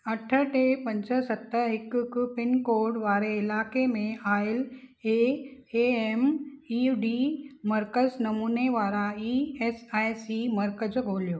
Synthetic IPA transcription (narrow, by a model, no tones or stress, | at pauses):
ɐʈʰəʈʰepɐ̃ɲd͡ʑə̆sɐt̪əɦɪkkʊpɪnkoːɾɖʋaːɾeɪlaːkemẽaːɪleːeːemiuɖiːmɐɾkəznɐmuːneʋaːɾaiːeːsaːjsimɐɾkəd͡ʑɡʱoːlijoː